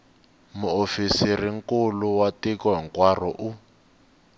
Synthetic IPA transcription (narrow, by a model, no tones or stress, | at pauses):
muofisiriŋ̩kuluwatikɔɦɛŋkwarɔʔu